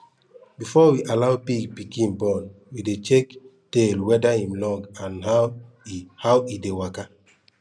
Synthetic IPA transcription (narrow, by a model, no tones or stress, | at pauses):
bifɔwiʔalawpiɡpikĩnbɔ̃n | widet͡ʃektelwɛdahĩmlɔɡãnha | hawidewaka